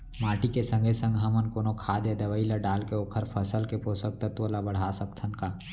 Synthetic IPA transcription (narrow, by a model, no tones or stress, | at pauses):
maːʈikesə̃ŋɡʱesə̃ŋɡɦɐmənkoːnokʰaːd̪jad̪ɐʋəilaɖaːlkeoːkʰəɾpʰəsəlkepoːsək̚t̪ɐt̪wəlabəɽ̤aːsəkt̪ʰənkaː